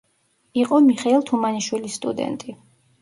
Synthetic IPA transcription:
iqʼɔmiχɛilˠt̪ʰumaniʃwilist̪ʼṵd̪ɛ̰nt̪ʼi

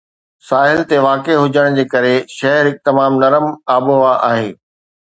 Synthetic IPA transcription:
saːɦɪlt̪eʋaːkeɦʊd͡ʑəɽ̃d͡ʑeːkɐɾeʃɐɦɾɪk̚t̪ɪmaːmnɐɾəmaːboʋaʔa̰ːɦeː

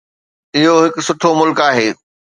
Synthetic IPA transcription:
ɪɦoɦɪkʊ̆sʊʈʰomʊlkaːɦeː

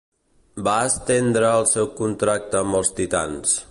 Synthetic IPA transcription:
baəst̪end̪ɾəːlˠsɛwkunt̪ɾak̚t̪əːmbəlˠst̪it̪a̰ns

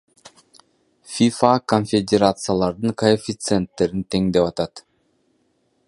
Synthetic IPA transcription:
fʲifakonfʲedʲeɾat̪sɨjalˠɑɾd̪ɯŋkʰoefʲit̪sɨent̪ːe̞ɾint̪ʰe̞ŋd̪e̞pɑt̪ɑt̪

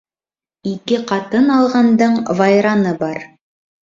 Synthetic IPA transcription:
ikɘqɑt̪ɤnɑlˠʁɑnd̪ɤɴvɑjɾɑnɤbɑɾ

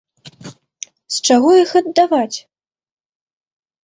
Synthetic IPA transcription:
st͡ʂaɣɔixɐd̪ːavat͡sʲ

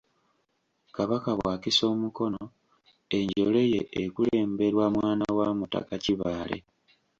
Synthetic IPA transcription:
kaβakaβwaːkiso̞ːmuko̞no | e̞ɲɟole̞jeʔekule̞ːmbe̞ɾwamwaːnawamuta̰kaciβaːle̞̰

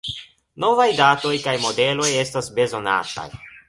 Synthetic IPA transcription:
no̞vajdaːt̪o̞jkajmo̞de̞lo̞je̞stasbezo̞na̰t̪a̰j

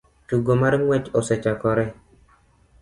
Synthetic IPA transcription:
tuɡomaɾŋwɛt͡ʃɔsɛt͡ʃakɔɾɛ

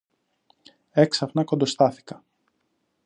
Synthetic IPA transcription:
e̞ksɐpnɐko̞nd̪o̞st̪ɐθi̥kɐ̥

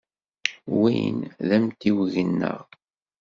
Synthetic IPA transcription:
wijnðæmt̪iwʝənːə̰ʁ

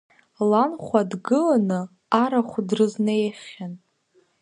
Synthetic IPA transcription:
lanχʷadɡɨlanɨ | aɾaχʷdrɨznejχʲan

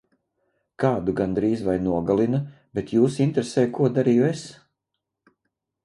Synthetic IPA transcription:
kaːd̪uɡand̪ɾiːzvajnuɔɡalˠinɐ | bet̪juːsint̪ɾesɛːjkuɔd̪aɾiːjues

